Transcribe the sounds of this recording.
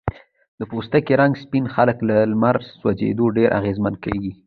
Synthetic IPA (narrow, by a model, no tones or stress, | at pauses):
d̪̥əpost̪akeɾaŋɡspinxaləklalmaɾswad͡ʒḛd̪oɖeɾʔa̰ɣezmankeɡi